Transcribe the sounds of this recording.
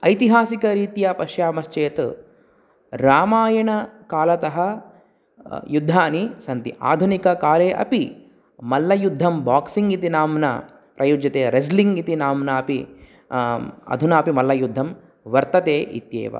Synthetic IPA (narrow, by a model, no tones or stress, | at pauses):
ɐjt̪iɦaːsikɐɾiːt̪japɐʃjaːmɐʃt͡ʃeːt̪ | ɾaːmaːjɐɳɐkaːlɐt̪ɐɦɐ | jud̪ʱːaːnisɐnt̪ḭʔa̰ːd̪ʱunikɐkaːleːʔɐ̰pi | mɐlːɐjud̪ʱːɐmbaːksiŋit̪inaːmnɐ̰ | pɾʔɐjud͡ʒjɐt̪eːɾɐsliŋɡit̪inaːmnɐɐpi | ɐ̰d̪ʱunɐːpimɐlːɐjud̪ʱːɐm | ʋɐɾt̪ɐt̪eːʔḭt̪jḛːʋɐ̰